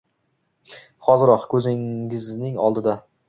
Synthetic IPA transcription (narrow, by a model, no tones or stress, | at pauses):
χɒzɪɾɒqkʰɵzɪŋɪznɪŋɒ̰lˠd̪ɪd̪a